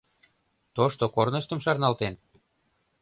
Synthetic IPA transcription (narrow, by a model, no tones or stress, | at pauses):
t̪oʃt̪okornəʃt̪ə̆mʃɑrnɑlt̪en